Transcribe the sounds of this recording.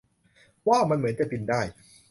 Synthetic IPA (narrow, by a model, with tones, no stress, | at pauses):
waː˥˩ma˧nmɯ˨˩˦ənt͡ɕa˨˩t̪i˧ndaː˥˩j